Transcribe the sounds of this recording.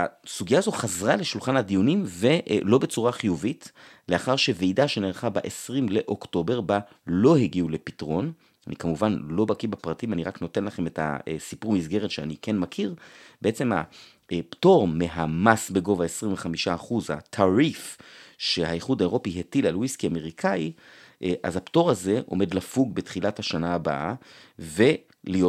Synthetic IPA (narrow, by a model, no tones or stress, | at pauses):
a̰suɡijaaːzo̞χazʁale̞ʃulχanad̪ijunimve̞ʔlo̞be̞t͡suʁaχijuvitleaχaʁʃe̞vejdaʃeneʁχabaʔesʁimle̞ʔo̞kto̞be̞ʁba | lo̞heɡiule̞pitʁo̞n | anikamuvanlo̞bakibapʁatimaniʁakno̞te̞nlaχe̞meta̰sipuʁmisɡe̞ʁetʃeanikenmakʰiʁbeʔet͡se̞ma̰ | pto̞ʁmeɦamasbe̞ɡo̞vaesʁiɱveχamiʃaːχuza̰tʰaʁifʃe̞haiχudaeʁo̞piɦetilalwiskiame̞ʁikʰaiʔʔa̰zapto̞ʁaze̞ʔo̞̰me̞dlafuɡ̚betχilathaʃanaːba̰ʔave̞ | lijo